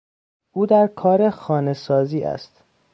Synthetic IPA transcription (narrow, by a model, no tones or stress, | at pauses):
ʔuːd̪æɾkʰɒːɾexɒːne̞sɒːziːʔæ̰st̪